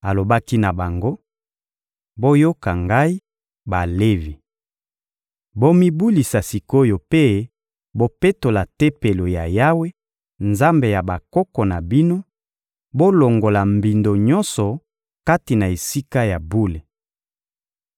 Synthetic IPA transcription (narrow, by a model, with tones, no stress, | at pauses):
a˨lo˨ba˦ki˦na˨ba˨ŋɡo˦ | bo˦jo˦ka˨ŋɡa˦i˦ | ba˨le˦vi˨ | bo˦mi˦bu˦li˨sa˨si˨ko˦jo˨pe˦ | bo˦pe˦to˨la˨te˦pe˨lo˨ja˨ja˦we˦ | nza˦mbe˨ja˨ba˨kɔ˦kɔ˨na˨bi˦no˦ | bo˦lo˨ŋɡo˨la˨mbi˨ndo˨ɲɔ˦nsɔ˨ | ka˦ti˨na˨e˨si˦ka˦ja˨bu˦le˨